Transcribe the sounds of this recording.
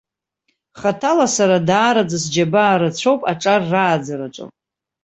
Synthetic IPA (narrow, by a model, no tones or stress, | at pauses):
χatʰalasaɾadaːɾad͡zasd͡ʒabaːɾat͡ɕʷʰo̞wpʼaʈ͡ʂʼarːaːd͡zaɾaʈ͡ʂʷʼo̰pʼ